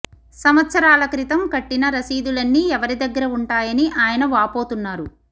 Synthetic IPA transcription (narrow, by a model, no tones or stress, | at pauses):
sɐmɐt̪sɐɾaːlɐkɾit̪ɐmkɐʈːinɐɾɐsiːd̪ulɐnːiɛʋɐɾid̪ɐɡːɐɾɐuɳʈaːjɐniʔaːjɐnɐʋaːpoːt̪unːaːɾu